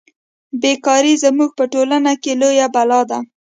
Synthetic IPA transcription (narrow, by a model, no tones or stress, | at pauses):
bekɑɾizamuɡ̚pəʈolanakelojabalɑd̪a